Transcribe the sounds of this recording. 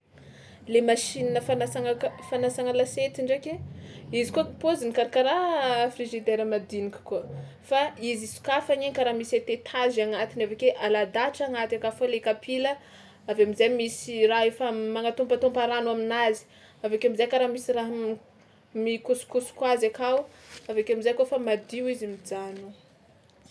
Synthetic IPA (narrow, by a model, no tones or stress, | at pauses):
lemaʃininəfanasaŋakfanasaŋəlaset̪iɳɖ͡ʐakeizikukpozinikaɾakaɾafriʒid̪ɛɾəmad̪inikʲu̥kuə | faizisu̥kafaɲiɲkaɾamiset̪et̪ʰazaŋat̪inavekeʔalad̪aʈ͡ʂaŋat̪akafolekapʰilə | aveamizajmisiraefamaŋat̪ompat̪ompaɾanaminazi̥ | avekʲeamizajkaɾamisiraɦ | mikusu̥kusu̥kwazakawu | avekeamizajkofamad̪iwizimid͡zanu